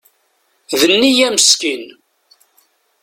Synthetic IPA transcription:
ðənːijæməskin

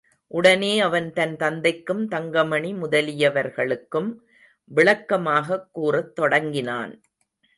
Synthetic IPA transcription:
ʔʊɽɐneːɐʋɐnt̪ɐnt̪ɐnd̪ɐɪkːɯmt̪ɐŋɡɐmɐɳimʊðɐlɪjɐʋɐɾɣɐɭɯkːɯm | ʋɪɭɐkːɐmaːɣɐkːuːrɐt̪ːɔɽɐŋɡɪna̰ːn

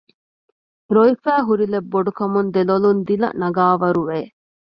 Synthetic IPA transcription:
ɾoifæːɦuɾilebːoɖukɐmund̪elolund̪ilɐ̰nɐɡaːʋɐɾuʋeː

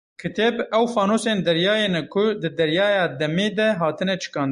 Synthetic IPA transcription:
kʰɨt̪ʰebɛwfɑːnoːseːnd̪ɛɾjɑːjeːnɛkʰʊd̪ɨd̪ɛɾjɑːjɑːd̪ɛmeːd̪ɛɦɑːt̪ʰɨnɛt͡ʃʰɨ̥kɑ̃ːnd̪

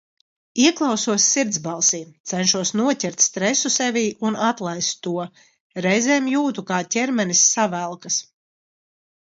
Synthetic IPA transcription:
iɛklˠawsuɔsʲːiɾt̪zbalˠsiːmt̪sɛnʃuɔsnuɔcʲɛɾt̪ʲst̪ɾɛsusɛvʲiːʔunat̪lˠajst̪ːuɔ | ɾɛjzɛːmjuːt̪ukaːcʲɛɾmɛnisːavælˠkas

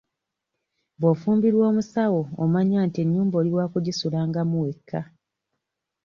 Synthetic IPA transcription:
boːfuːmbiɾwo̞ːmusawo̞o̰maɲaːntie̞ɲːuːmboːliwaːkuɟisulaːŋɡamuwe̞kʰːa

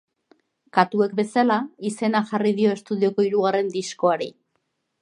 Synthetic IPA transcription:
kat̪ue̞k̚be̞salaise̞naʝariðio̞e̞st̪uðio̞ko̞iɾuɣare̞nd̪isko̞aɾi

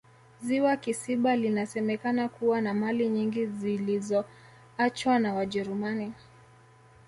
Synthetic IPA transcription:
ziwakisiɓalinasɛmɛkanakuwanamaliɲiŋɡizilizɔ | at͡ʃwanawaʄɛɾumani

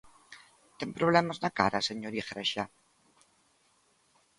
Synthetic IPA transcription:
t̪eŋpɾoβlemaznaka̰ɾaseɲoɾixɾeʃa

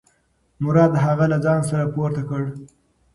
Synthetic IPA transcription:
mʊɾɑd̪ɦaɣalad͡zɑns̬aɾapoɾt̪akəɽ

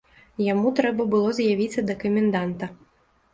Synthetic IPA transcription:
jamut̪ɾɛbɐbɨlˠɔzʲjavʲit̪sʲːɐd̪ɐkɐmʲɛnd̪ant̪ɐ

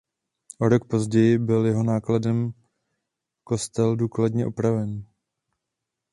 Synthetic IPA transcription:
ʔo̞ɾo̞k̚po̞zɟɛjɪbɪljɛɦo̞naːkladɛm | ko̞st̪ɛlduːkladɲɛʔopɾavɛn

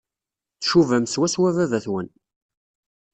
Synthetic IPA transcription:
θʃuvæmswæswævævæθwən

